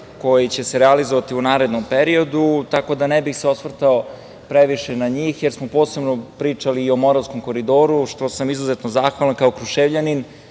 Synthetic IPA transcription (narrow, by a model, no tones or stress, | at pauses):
ko̞jit͡ɕe̞seɾɛalizoʋat̪iunaːɾed̪nompeɾio̞d̪ut̪ako̞d̪anebixseosʋr̩t̪ao | pɾeʋiʃenaɲiːxjeɾsmopo̞ːse̞bnopɾiːt͡ʂaliːo̞mo̞ɾasko̞mko̞ɾid̪o̞ːɾuʃt̪o̞samizuzet̪no̞zaːxʋalˠankaokɾuʃeːʋʎanin